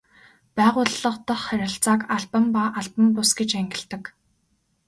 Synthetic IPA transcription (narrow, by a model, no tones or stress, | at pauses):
pæːʁʊːɮːə̆qt̪ə̆χːæɾʲɪ̆ɬt͡saːkaɮpə̆mpaʔaɮpə̆mpʊsɡet͡ɕæŋɡʲɪ̆ɬɮt̪ə̆k